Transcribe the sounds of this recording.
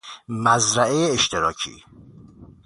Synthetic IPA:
mæzɾæʔe̞jeːʃt̪ʰeɾɒːcʰḭː

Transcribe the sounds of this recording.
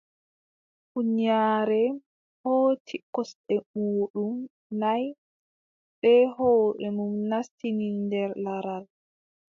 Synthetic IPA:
kuɲaːɾɛ | hoːtʰikɔsɗɛmoːɗum | naj | ɓɛhoːɗɛnumnastininndɛɾlaɾal

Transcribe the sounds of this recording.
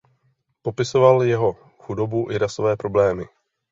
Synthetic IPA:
po̞pɪso̞valjɛɦo̞ | xudo̞buʔɪɾaso̞vɛːpɾo̞blɛːmɪ

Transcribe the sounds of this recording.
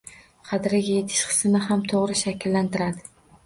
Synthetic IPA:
qʰɑd̪ɪɾaɡʲaje̞t̪ʰɪ̥ʃqʰɨ̥snɪɦamt̪ʰoʁɾɪʃakʲʰlːant̪ʰɪɾad̪ɪ

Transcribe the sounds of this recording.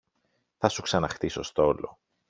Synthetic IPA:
θɐsuksɐnɐxt̪iso̞st̪o̞lo̞̰

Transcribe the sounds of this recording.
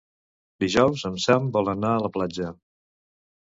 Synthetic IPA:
d̪iʒɔwzəmsambɔlˠənaələplad͡ʒə

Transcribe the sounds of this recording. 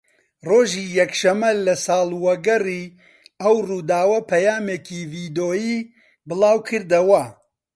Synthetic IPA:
roːʒiːjɛkʃɐmɐlɐsɑːlˠwɐɡɐriː | ɐwruːd̪aːwɐpʰɐjaːmeːkiːviːd̪oːjiː | bɨlaːwkʰɨɾd̪ɐwɐ

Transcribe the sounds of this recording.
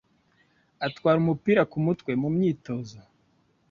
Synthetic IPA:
atwaːɾumupiːɾakumutkwe̞mumɲiːto̞ːzo

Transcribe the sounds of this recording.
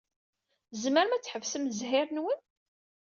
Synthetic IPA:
zməɾmæt͡sːħəvsəmzɦɪɾnwən

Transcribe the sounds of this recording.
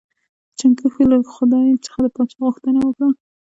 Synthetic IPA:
t͡ʃaŋkaxiləxʊd̪ɑjt͡sə̥xad̪əpɑt͡ʃɑɣʊxt̪ənawəkɽa

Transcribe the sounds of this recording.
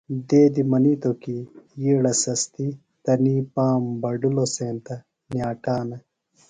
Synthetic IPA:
d̪eːd̪imɐniːt̪okijiːɽɐsɐst̪i | t̪ɐnipaːmbɐɖuloseːnt̪ɐ | njaːʈaːnɐ

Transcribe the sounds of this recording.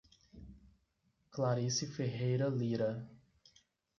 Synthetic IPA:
klaɾisifeɦejɾɐliɾɐ

